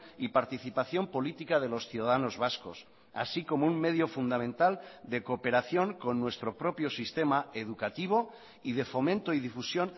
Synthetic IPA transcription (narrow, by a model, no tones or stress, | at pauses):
ipaɾt̪iθipaθjo̞mpo̞lit̪ikað̞e̞lo̞sθjuðaðano̞zβasko̞̰s | a̰siko̞mouŋme̞ð̞jo̞fund̪amẽ̞nt̪ald̪eko̞pe̞ɾaθjo̞ŋko̞nːwe̞st̪ɾo̞pɾo̞pjo̞sist̪e̞maeðukat̪iβ̞o̞ | ið̞e̞fo̞mẽnt̪oið̞ifusjo̞n